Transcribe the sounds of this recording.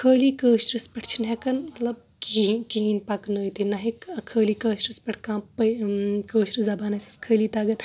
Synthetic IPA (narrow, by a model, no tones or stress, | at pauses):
kʰəːliːkəːʃɾɨspɐʈʰt͡ʃʰinɦekɐnmɐt̪lɐb̚ | kikiinpɐknəːjt̪inɐɦikɐkʰəːliːkəːʃɾɨspʲɐʈʰkãːpəkəːʃɾizɐbaːnɐsʰɐ̥skʰəːliːt̪aːɡɐn